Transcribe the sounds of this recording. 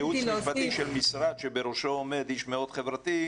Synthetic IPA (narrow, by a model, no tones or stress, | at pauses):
juvat̪iʃelmisɾad̪ʃebeɾoʃoːmed̪iʃmeo̞d̪χevɾat̪i